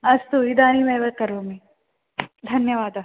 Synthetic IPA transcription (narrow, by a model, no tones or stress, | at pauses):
ɐst̪uid̪aːnimeʋɐkɐɾʋomĩ | d̪ʱɐnjɐʋaːd̪ɐ